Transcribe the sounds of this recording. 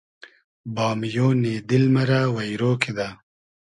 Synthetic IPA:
bɑːmjoneːd̪ɪlmaɾawajɾoːked̪a

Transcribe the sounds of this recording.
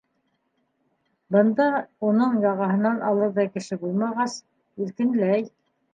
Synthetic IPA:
bɤ̆nd̪ɑunɤɴjɑʁɑɦɤ̆nɑnɑlˠɤɾðɑkɘ̆ʃɘbulˠmɑʁɑs | ilk̪ɘ̆nlæj

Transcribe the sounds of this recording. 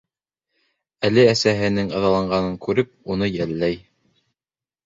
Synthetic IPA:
ælɘæsæɦɘ̆nɘŋɑðɑlˠɑɴɢɑnɤŋkʉɾɘp̚un̪ɤjælːæj

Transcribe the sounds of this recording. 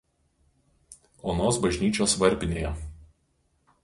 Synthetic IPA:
oːnoːsbɐʒʲnʲiːt͡ʃʲoːsʋɐɾʲpʲɪnʲeːjɛ

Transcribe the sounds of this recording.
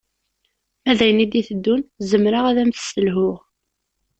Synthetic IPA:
æðæjnid̪iθəd̪ːunzəmɾaʁæðæmθsəlɦʊʁ

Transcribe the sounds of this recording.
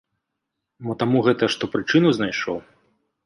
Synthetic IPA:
bɔt̪amuɣɛt̪ɐʂt̪ɔpɾɨt͡ʂɨnuznajʂɔw

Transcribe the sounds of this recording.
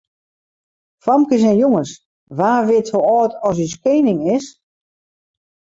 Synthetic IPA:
famkəs̬ɛnjoŋəs | ʋaːʋɪthoɔːtɔs̬yskeːnɪŋɪs

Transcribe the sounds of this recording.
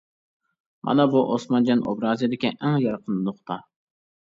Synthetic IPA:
mʔɑ̰nɑbuʔosmɑnd͡ʒɑno̰bɾɑːzijd̪ɪkʲiʔæŋjɑɾqʰənnʊχt̪ʰɑ

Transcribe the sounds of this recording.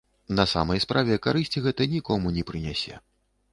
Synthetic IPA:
nɐsa̰mɐjspɾʔavʲɛkaɾɨsʲt͡sʲiɣɛt̪ɐnʲikɔmunʲɛpɾɨnʲasʲɛ̰

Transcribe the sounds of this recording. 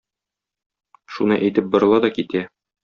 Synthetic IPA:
ʃunɤʔæjt̪ɘp̚bŏɾɤ̆lˠɑd̪ɒkit̪æ

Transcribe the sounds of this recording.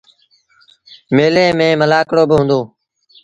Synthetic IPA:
meːlẽːmẽːməlaːkɽoːbɪɦʊ̃ːnd̪oː

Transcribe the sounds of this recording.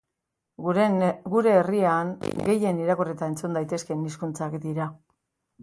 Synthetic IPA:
ɡuɾe̞ːriaŋɡe̞je̞niɾako̞ret̪aent͡sund̪ajt̪e̞ske̞niskunt͡sakd̪iɾa

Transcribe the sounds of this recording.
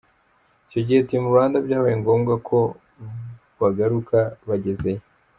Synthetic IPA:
ico̞ɟihetimuβaːndabɟaːβajiŋɡoːmɡakʰo̞ | βaɡaɾukʰaβaɟe̞zeje

